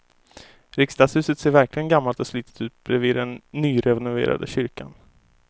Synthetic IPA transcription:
ɾɪkst̪aːshʉ̟ːsət̪seːɾvæɾklɪɡənɡamːalt̪ɔslyːt̪ə̥t̪ʉ̟ːt̪̚bɾɛviːd̪ɛnːyːɾɛvɛnʊvḛːɾa̰d̪əɕʏɾkan

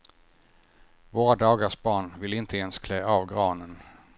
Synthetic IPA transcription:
voːɾad̪ɑːɡaʂbɑːɳvɪlɪnt̪ʰəɛnskʰlɛːɑːvɡɾɑːnən

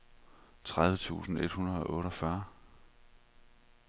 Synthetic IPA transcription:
t͡sʰʁað̞ˠʋət͡sʰṵːsn̩e̝d̥hunɐð̞̩ˠɒ̽ʔɔ̽ːɾɒfɶɐ

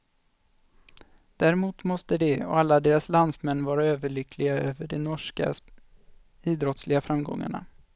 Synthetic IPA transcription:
d̪̥æɾɛmuːt̪mɔst̪əd̪ɛɔ̰alːad̪eːɾasland̪smɛnːvɑːɾaøːvəɭʏkʰːlɪɡaøːvəɖɛnɔʂka̰ | iːd̪ɾɔt̪slɪɡafɾamɡɔ̰ŋːa̰ɳa̰

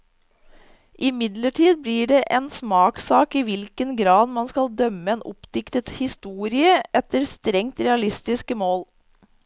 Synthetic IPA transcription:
ʔɪmɪd̪ləʈʰiːd̪̚bliːɖeːʔeːnsmɑːksɑːkiːʋɪlkənɡɾɑːd̪mɑnskɑld̪œməeːnʊ̰pd̪ɪkt̪ət̪hɪst̪uːɾɪəʔɛt̪əɾst̪ɾɛŋt̪ɾɛɑlɪst̪ɪskəmoːl

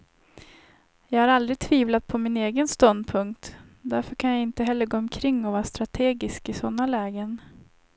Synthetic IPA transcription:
jɑːɡhaɾald̪ɾɪɡ̚t̪ʰviːvlat̪̚pʰɔmɪneːɡənst̪ɔnd̪pʰɵŋkt̪ | d̪æɾfœɾkʰanjaɪnt̪əɦɛlːəɾɡoːɔmkʰɾɪŋːɔvɑːɾast̪ɾat̪ʰeːɡɪskɪsɔnːalɛːɡən

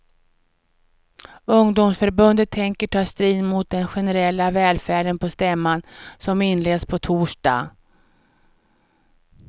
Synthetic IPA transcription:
ɵŋd̪ʊmsfœɾbɵnd̪ət̪ʰːɛŋkəʈʰɑːst̪ɾiːd̪mʊt̪̚d̪ɛnɧɛnɛɾɛlːavɛːlfæːɖənpɔst̪ɛmːansɔmɪnleːd̪spʰɔt̪ʰuːʂɖɑ̰ː

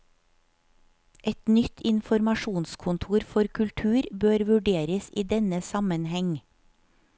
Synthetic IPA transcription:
ʔɛt̪nʏt̪ʰɪnfɔɾmɑʃuːnskʰʊnt̪ʰuːɾfɔɾkʰʉlt̪ʰʉːɾbøːɾʋʉɖeːɾəsiːd̪ɛnəsɑmənhɛŋ

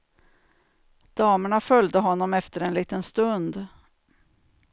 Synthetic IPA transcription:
d̪̥ɑːməɳafœld̪əɦɔnːɔmɛft̪əɾɛnliːt̪ənst̪ɵnd̪

